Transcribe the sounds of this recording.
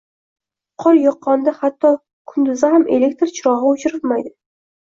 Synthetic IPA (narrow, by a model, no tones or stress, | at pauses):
qʰɒljɒqʰːɒnd̪ahat̪ʰːɒ | kʰʊnd̪ʊzahamʔele̞k̚ʲt̪ɾt͡ʃʰɪɾɒɦɪʊt͡ʃʰɪɾɪlmajd̪ɪ